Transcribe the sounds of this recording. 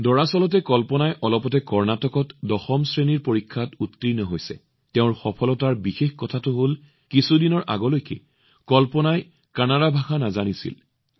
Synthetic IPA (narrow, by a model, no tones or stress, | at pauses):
dɔɹasɔlɔtɛkɔlpɔnajʔɔlɔpɔtɛkɔɹnatɔkɔtdɔxɔmsɹeniɹpoɹikʰːatutːinɔɦojsɛ̰ | tɛʊ̃ɹxɔpʰɔlɔtaɹbixexkɔtʰatʊɦol | kisudinɔɹʔa̰ɡɔlojkɛ̰ | kɔlpɔnaj | kanadabʱaxanazanisḭl